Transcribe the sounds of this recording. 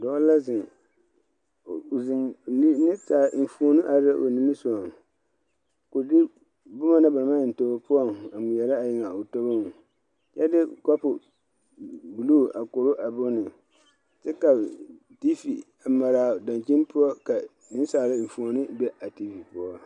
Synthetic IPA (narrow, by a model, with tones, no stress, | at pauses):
dɔ˨˦la˦zɪ˨ŋ˨ | zɪ˨˦nɨ˦saː˨˦n̩˨fu˨o˨nɨ˦ʔa˨da˦ʔo̰˨ni˨˦ɨ˦sɔ˨a˨ŋ | ko˨dɪ˦ | bʊ˦ma˦na˦ba˨˦ma˦˨n̩˨to˨ba˨pʊ˦ɔ˦ŋa˨mʊ˨jɛ˨la˦a˨jɪ˨ŋa˨o˨to˦ba˦˨ | jɛ˦dɪ˦kɔ˦pʊ˨ | bu˨lu˦˨a˨ko˨ɾʊ˦ʔa˨bo˦nɨ˨ | tɛ˦ka˨ | ti˦fi˨ | a˨ma˨ɾa˨da˨nt͡ʃi˦n˦pʊ˦ɔ˦ka˨ | nɨ˦n˦saː˨la˦m̩˨fu˨o˨nɨ˦bɛ˦ʔa˨ti˦fi˨pʊ˦ɔ˦